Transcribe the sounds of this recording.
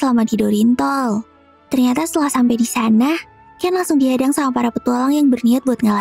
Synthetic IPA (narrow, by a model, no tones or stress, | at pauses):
səlamadidɔɾint̪ɔl | t̪ərɲat̪ast̪əlahsampajdisana | kaanlaŋsʊŋdiɦadaŋsamapaɾapət̪uɔlɔŋjaŋbərniat̪̚buat̪̚ŋala